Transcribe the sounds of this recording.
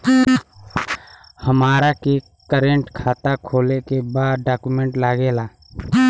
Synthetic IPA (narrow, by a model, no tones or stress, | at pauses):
həmaːɾaki | kəɾẽɳʈkʰaːt̪akʰoːlekebaːd̪ɖaːkumẽɳʈlaːɡeːlaː